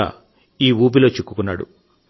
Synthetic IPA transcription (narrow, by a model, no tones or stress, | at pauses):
a̰ː | iːuːp̬ilo̞ːt͡ʃikːu̥kunːa̰ːɽṵ